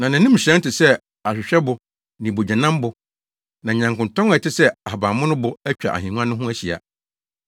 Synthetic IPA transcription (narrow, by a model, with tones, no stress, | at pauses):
nã˨nɪ̃˨nɪ̃˦m̩˨ɕɾɛ̃˦n˦tɪ˨sɛ˦ | a˨ɕᶣɪ˨ɕᶣɛ˦bʊ˨ | nĩ˨bo˨d͡ʑɛ̃˨nã˦m˦bʊ˨ | nã˨ɲã˨ŋkʊ̃˨ntɔ̃˦ŋ˦ɛ˨tɪ˦sɛ˦a˨ɦa˨baː˨mʊ̃˦nʊ̃˦bʊ˨æ˦t͡ɕᶣa̰˨ʔa̰˨ɦĩ˨nũ˦ã˦nʊ̃˦ɦʊ̃˦æ˦ɕi˨a̰˨